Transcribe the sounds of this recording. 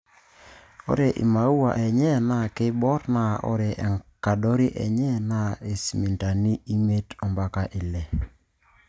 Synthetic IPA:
o̰˦ɾe˨ʔḭ˨ma˨u˦wa˨ʔɛ˨ɲɛ˦na˨ke˦bɔ˦ɾna˦˨ʔɔ̰˦ɾe˨ʔɛ˨ŋka˨do˦ɾi˦ʔɛ̰˨ɲɛ˦na˦e˨si˨mi˨nta˨ni˦i˦ŋe˦tɔ˨mba˦ka˨ʔi˨lɛ˨

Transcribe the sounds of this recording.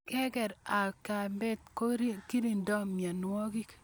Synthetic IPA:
kɛ˦kɛ˨ɾa˨ka˨mbɛ˦t̚ko˦ɾiki˦ɾi˨ndɔ˦mja˨nwɔ˦ki˦k

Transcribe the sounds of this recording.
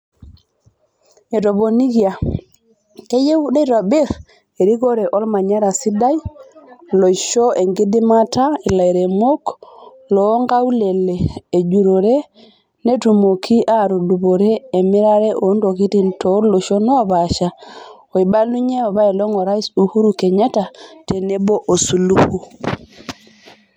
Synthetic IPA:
e˨to˨bo˨ni˦ki˦a˨ | ke˦je˦wde˦tɔ˨bɪ˦ɾ | e˨ɾi˦ko˦ɾɛ˨ʔɔ˦lma˨ɲa˦ɾa˨si˦da˦j | lo˨ʃo˦ʔe˨ŋɡi˦di˦ma˦ta˦i˨la˨jɾe˨mo˦k | lɔ˨˦ŋɡa˦u˦le˨leː˨d͡ʒu˨ɾo˨ɾe˦ | ne˦tu˨mo˨kʰi˦ʔaɾo˨du˨bo˨ɾeː˦˨mi˦ɾa˦ɾe˦ʔo˨˦ndo˨ki˦ti˦nto˨˦lo˨ʃo˦nɔ˦o˦ba˨ʃa˨ | o˨i˨ba˦lu˦ɲe˦o˨βa˦i˨lo˦ŋo˨ɾa˦isu˨hu˦ɾu˨ke˨ɲe˦ta˨te˨ne˦bo˦ʔo˨su˨lu˦hu˦

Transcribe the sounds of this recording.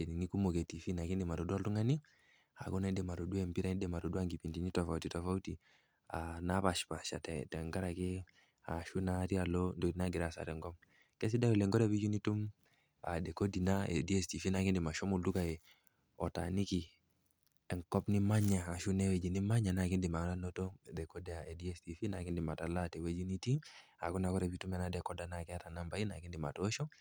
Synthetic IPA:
ɛ˨ni˨ŋi˦ku˦mo˨ke˨ti˨fi˦na˨ki˦ndi˨ma˨ɾo˨du˦a˦ltu˦ŋa˦ni˦ | a̰˨kɔ˦na˨i˦dɛ˨ma˨ɾo˨du˦ɛ˨mpi˦ɾa˨ni˦dɛ˨ma˨ɾo˨du˦a˦ŋɡi˨pi˨nti˨ni˦tɔ˨fa˨uti˨tɔ˨fa˦u˦ti˨ | ana˦pa˨ʃpa˨ʃa̰˨tɛtɛ˨ŋɡa˦ɾa˨ke˦ | a̰˨ʃu˦na˦ɾi˦a˨lɔ˦ndo˨di˨na˦ɡi˨ɾa˨sa̰˨ɾɛ˨ŋɡɔ˦m | kɛ˦s̬i˦da˦wɛ˨lɛ˨ŋɡɔ˦ɾɛ˦βi˦d͡ʒu˦ni˦tu˦m | a̰˨dɛ˨ko˦di˨na˦ɛ̰˨di˦ɛ˦sti˨fi˦na˨kɪ˦ndɪ˨ma˨ʃɔ˦mu˨lu˦ka˨ɛ˨ | ɔ˨ta̰˨ni˦ki˨ | ɛ˨ŋkɔ˦pnɪ˦ma˦ɲaː˨ʃu˦nɛ˦wɛ˨d͡ʒi˨ni˦ma˦ɲa˨na˨kɪ˦ndɪ˨ma˨na˦no˦to˦dɛ˨ko˦dɛ˨a˨ɛ˨di˦ɛ˦sti˨fi˦na˨kɪ˦ndɪ˨ma˨ta˨la˦tɛ˨wɛ˦d͡ʒi˦ni˦ti˦a˨ku˦na˨kɔ˦ɾɛ˨pi˦tu˦mja˨na˨dɛ˨kɔ˦da˨na˨kɛ˦a˦ta˨na˦mba˨˦i˦na̰˨kɪ˦ndɪ˨ma̰˨tɔ˦ʃɔ˦

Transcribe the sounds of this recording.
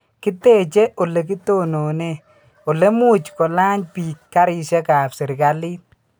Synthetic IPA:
kɪ˦te˦˨t͡ʃɛ˦ʔo˨le˨k̬ɪ˦to˦no˨ne˦˨ | o˨le˦mu˦t͡ʃkɔ˨la˦ɲpi˨kːa˦ɾɪ˨ʃɛ˦ka˨psɪ˨ɾka˨li˦

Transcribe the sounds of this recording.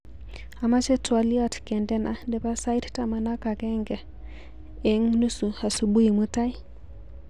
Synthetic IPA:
a˨ma˦t͡ʃɛ˦twa˨li˦atkɛ˨ndɛ˦na˨dɛ˨pa˦sa˦i˦ttama˨na˦ka˨kɛŋɡɛ˨ | ɛŋnu˦su˨a˨su˨ɓu˦i˨mu˦ta˦i˦

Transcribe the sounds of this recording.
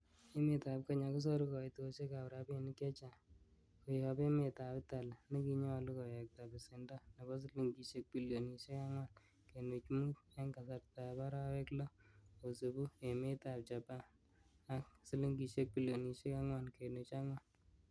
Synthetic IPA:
e˦me˨ta˨p̚ka˦ɲa˨kɔ˦s̬ɔ˦ɾu˦kɔ˨ɪ˨to˨ʃe˦ka˨pɾa˨be˨nɪ˦kja˦t͡ʃa˨ | ko˨jɔ˨pe˦me˨ta˨pɪ˦ta˨lnɪ˦ki˦ɲɔ˦lu˦kɔ˨jɛ˨k̚ta˨bɪ˨sɪ˨nda˦na˨bɔ˦s̬i˦li˦ŋɡi˨ʃe˦k̚pi˦lo˨ni˨ʃe˦ka˦ŋwa˦n | ke˨nu˨t͡ʃmu˦kɛ˦ŋka˨sa˨ɾta˨ba˦ɾa˦wɛ˦klɔ˦o˨se˨bu˦e˨me˦ta˨p̚t͡ʃa˨pa˦ | a˦ksi˦li˦ŋɡi˨ʃe˦k̚bi˦ljo˨ni˨ʃe˦ka˦ŋwa˨nke˨nu˨t͡ʃa˦ŋwa˨n

